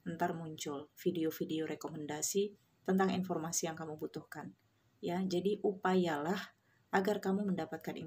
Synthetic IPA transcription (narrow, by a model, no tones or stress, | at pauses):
ənt̪armuɲt͡ʃʊlfideofideoɾʔekoməndasi | t̪ənt̪aŋḭnfɔrmasijaŋkamubut̪uhkan | jad͡ʒadiʔupajalah | ʔaɡarkamuməndapat̪̚kanḭ